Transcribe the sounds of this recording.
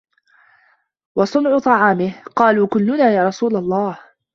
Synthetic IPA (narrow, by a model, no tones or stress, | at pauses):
wɑsˤʊnʕʊt̪ˤɑʕɑːmɪhqɑːluːkʊlːʊnaːjaːɾˤɑsuːlalˤːɑːh